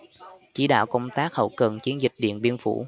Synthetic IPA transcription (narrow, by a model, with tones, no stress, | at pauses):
t͡ɕi˨˦ɗa̰ː˧˨wkə˧wŋ͡mt̪aː˦˥k̚hə̰˧˩wkə˨˩nt͡ɕi˨˦ənzï˨˩k̚ɗḭ˧˨ənɓi˧ənfṵ˧˩